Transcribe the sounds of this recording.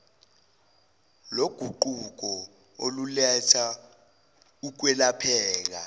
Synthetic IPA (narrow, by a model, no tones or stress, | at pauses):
loɡ̥ʱuǃuk̬ɔ | olulɛtʰa | uk̬wɛlapʰɛːk̬a̰